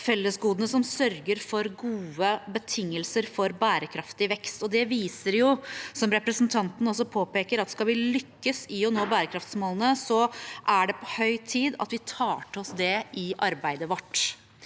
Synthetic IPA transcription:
fɛlːəsɡuːd̪ənəsɔmsœɾɡəɾfɔɾɡuːəbət̪ʰɪŋːəlsəɾfɔɾbæːɾəkʰɾɑft̪ɪʋɛkst̪ɔd̪ɛʋiːsəɾjʊsɔmɾɛpɾəsnt̪ʰɑnt̪n̩ɔs̬ɔpʰoːpeːkəɾɑt̪skɑlʋɪlʏkːəsɪɔnoːbæːɾəkʰɾɑft̪smoːlənəsɔʔæɖɛpʰɔhœʏt̪ʰiːd̪ɑ̰t̪ʋɪt̪ʰɑːʈəɔsd̪ɛʔɪʔɑɾbæɪd̪əʋɑʈː

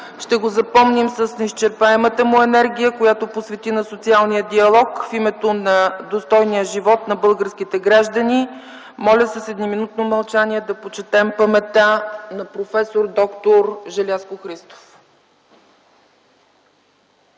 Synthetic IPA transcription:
ʃt̪ɛɡozɐpɔmnimsəsnɛist͡ʃɛɾpaɛmət̪əmuɛnɛɾɡ̟ʲijəkojat̪oposvɛt̪inɐsot̪sialˠnijəd̪iɐlˠɔkfimɛt̪onɐd̪ost̪ɔjnijəʒivɔt̪nɐbɤlˠɡəɾsk̟it̪ɛɡɾaʒd̪əni | mɔlʲəsəsɛd̪niminut̪nomɐlˠt͡ʃaniɛd̪ɐpot͡ʃɛt̪ɛmpəmɛt̪anɐpɾofɛsoɾd̪ɔkt̪oɾʒɛlʲaskoxɾist̪o̥f

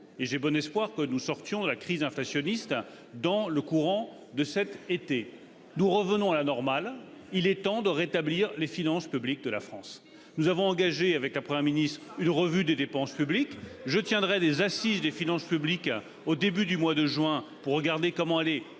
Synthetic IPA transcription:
eʒebɔnɛspwaʁkənusɔʁt̪jɔ̃d̪əlakχizɛ̃flasjɔnist̪ | d̪ɑ̃ləkuʁɑ̃ | d̪əsɛt̪et̪e | nuʁəvənɔ̃alanɔʁmal | ilɛt̪ɑ̃d̪əʁet̪abliʁlefinɑ̃spyblik̚d̪əlafχɑ̃s | nuzavɔ̃ɑ̃ɡaʒeavɛkləpχəmjɛʁminist̪χynʁəvyd̪ed̪epɑ̃spyblikʒət̪jɛ̃d̪ʁɛd̪ezasizd̪efinɑ̃spyblik | od̪ebyd̪ymwad̪əʒɥɛ̃puʁːəɡaʁd̪ekɔmɑ̃ɛlɛ

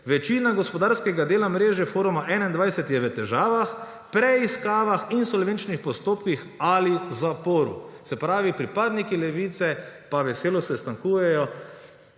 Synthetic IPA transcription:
ʋɛt͡ʃiːnaɡɔspɔd̪aɾskɛɡad̪eːlamɾeːʒɛfoːɾumaʔɛːnaind̪ʋajsɛt̪jɛʋət̪ɛʒaːʋax | pɾɛiskaːʋaxinsɔlʋent͡ʃnixpɔst̪oːpkix | alizapoːɾṵsɛpɾaːʋipɾipaːd̪nikilɛʋiːt̪sɛpaʋɛseːlɔsɛst̪aŋkuːjɛjɔ

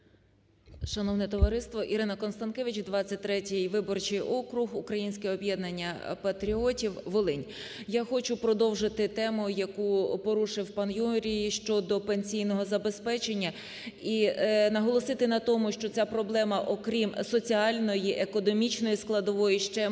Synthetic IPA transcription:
ʃɐnɔwnɛt̪ɔʋɐɾɪst̪ʋɔʔiɾɪnɐkɔnst̪ɐnkɛʋʲit͡ʃd̪ʋɑt͡sʲːɐt̚ʲt̪ɾɛtʲɪjʋɪbɔrt͡ʃɪjʔɔkɾʊɦukɾɐjinʲsʲkɛɔbjɛd̪nɐnʲːɐpɐt̪ɾʲiɔtʲiwʋɔlˠɪnʲ | jaxɔt͡ʃʊpɾɔd̪ɔwʒɪt̪ɪt̪ɛmʊjɐkupɔɾuʃɪwpɐnjuɾʲijiʃt͡ʃɔd̪ɔpenʲsʲijnɔɦɔzɐbe̞spɛt͡ʃe̞nʲːɐ | inɐɦɔlˠɔsɪt̪ɪnɐt̪ɔmʊʃt͡ʃɔt͡sʲapɾɔblˠɛmɐʔɔkɾʲimsɔt͡sʲiɑlʲnɔjiʔekɔnɔmʲit͡ʃnɔjisklˠɐd̪ɔʋɔjiʃt͡ʃɛ

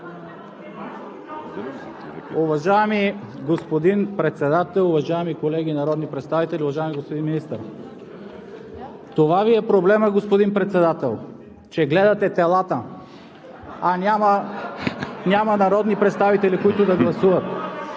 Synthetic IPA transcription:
uvɐʒaɛmi | ɡospod̪inpɾɛt̪sɛd̪at̪ɛlˠʊvɐʒaɛmikolɛɡʲinɐɾɔd̪nipɾɛt̪st̪avit̪ɛliʊvaʒaɛmiɡospod̪inminist̪əɾ | t̪ovaviɛpɾoblɛməɡospod̪inpɾɛt̪sɛd̪at̪ɛlˠ | t͡ʃɛɡlɛd̪ɐt̪ɛt̪ɛlˠat̪ə | anʲamɐ | nʲamɐnaɾɔd̪nipɾɛt̪st̪avit̪ɛlikoit̪ʊd̪ɐɡlˠɐsuvət̪

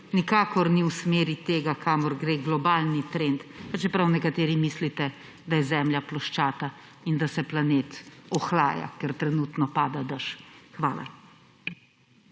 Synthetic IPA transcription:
nikaːkɔɾniwsmeːɾit̪eːɡakʰaːmɔɾɡɾeːɡlɔbaːlnit̪ɾent̪pat͡ʃɛpɾawnɛkat̪eːɾimislit̪ɛ | d̪ajɛzɛːmljaplɔʃt͡ʃaːt̪a | ind̪asɛplaneːt̪ɔxlaːja̰kɛɾt̪ɾɛnuːt̪nɔpaːd̪ad̪aʃxʋaːla̰

